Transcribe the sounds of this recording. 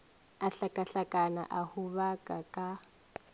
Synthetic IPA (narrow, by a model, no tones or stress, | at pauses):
aɬakʼaɬakʼana̰ʔahuβakʼakʼa